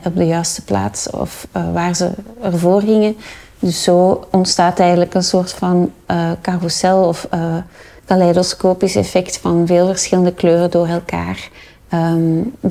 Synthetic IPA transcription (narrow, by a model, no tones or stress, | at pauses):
ɔb̚dəjœɥstə̥pla̰ːtsɔ̰fʋaːrzə̰ərvoːrɦɪŋən | dɵsːoːɔntstaːtɛjəndələkənsoːrtfɑnːkarusɛlˠɔfː | kalɛdoskoːpɪsɛ̰fɛktfɑnveːlˠvərsxɪləndəkløːrədoːrɛlˠka̰ːr | ə